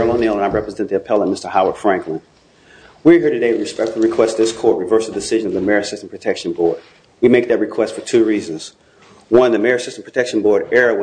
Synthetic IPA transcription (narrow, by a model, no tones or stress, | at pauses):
ɨmõʊ̃nilˠə̃naɪɹɛpɹɨzɛ̃nðiɨpʰɛlˠə̃nmɪstə˞haʊə˞d̥fɹæ̃ŋklə̃n | wihə˞ɾɨdeɪɹɨspɛk̚tfl̩ˠɹɨkʰw̥ɛstðɪskʰɔɹt̚ɹɨvɜ˞sðədɨsɪʒɨ̃nʌvðɨmɛɹɨsɪstm̩pʰɹ̥ətʰɛkʃɨ̃n̩bɔɹd̚ | wimeɪk̚ðɨt̚ɹɨkʰw̥ɛstfə˞tʰʉɹizɨ̃nz̥ | wʌ̃nðɨmɛɹɨsɪstm̩pʰɹ̥ətʰɛkʃn̩bɔɹɾɛɹɨw̃